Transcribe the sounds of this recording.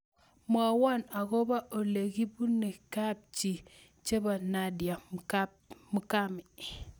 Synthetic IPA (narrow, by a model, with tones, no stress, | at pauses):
mwa˨wa˦˨na˨ɣo˦ba˦ʔo˨le˨ɡi˦bu˦ne˨ka˦˨b̚t͡ʃi˨ | t͡ʃe˦ba˨na˦dja˨ | mu˨ka˦mi˨